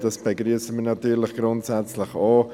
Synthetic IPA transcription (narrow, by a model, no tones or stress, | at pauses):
d̥ɑsb̥ɛɡɾyəsəmənɑt̪yːɾlɪχɡ̥ɾʊntsɛt͡slɪχɔː